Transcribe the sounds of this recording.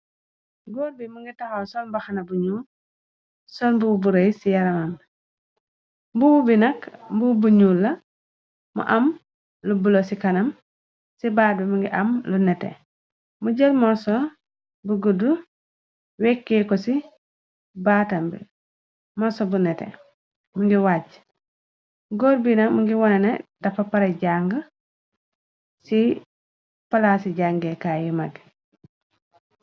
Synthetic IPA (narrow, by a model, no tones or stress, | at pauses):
ɡɔːɾ̚bimuŋɡitaxosɔlbaxanɐbuɲuː | sɔlmbububuɾejsijɐɾɐmam | mbububinɐkmbubuɲuːlːɐ | mṵʔɐm | lubulosikɐnɐm | sibaːbimuŋɡiʔɐmlunɛtḛ | muɟelmɔɾsɔ | buɡudu | wekːekosi | baːtambḭ | mɔsobunetḛ | muŋɡiwaɟ | ɡoːɾbinamuŋɡiwonenḛd̥ɐfapaɾeɟaŋɡ | si | palasiɟaŋɡekaːjumaɡ